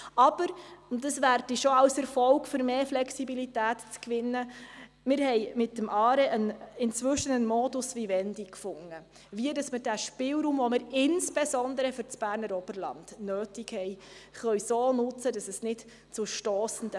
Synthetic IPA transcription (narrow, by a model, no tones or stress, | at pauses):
ɑb̥əɾdɑsʋærdiʃoɑwsɛɾfɔlkfʏɾmeːflɛksibilitæːtt͡skʋɪnːə | mɪɾhɛɪmɪtːəmʔɑːɾɛʔənɪnt͡svʏʃənənmɔdʊsʋivɛnd̥ikfʊŋːə | viədɑsməɾdæʃpɪːlɾuːmvɔmɪɾɪnsb̥esɔndəɾəfʏɾt͡sb̥æːɾnəɾɔb̥əɾlɑ̰nd̥nøːtikhɛj | χœɥsoːnʊt͡sədɑsɛsnɪt | t͡suʃtoːsən̩d̥ə